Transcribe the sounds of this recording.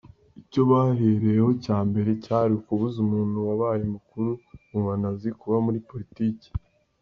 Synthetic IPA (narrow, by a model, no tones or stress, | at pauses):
ico̞βaɦeɾe̞jeho̞caːmbe̞ɾe̞caɾikuβuzumuːn̥huwaβajimukuɾuuvanazikuβamuɾipo̞ɾitiːci̥